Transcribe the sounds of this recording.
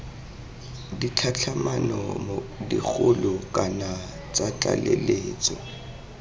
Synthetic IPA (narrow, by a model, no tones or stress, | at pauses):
dit͡ɬʰat͡ɬʰamanɔmodik͡xʰʊlʊkʼana | t͡sat͡ɬʼa̰leleːt͡sʼɔ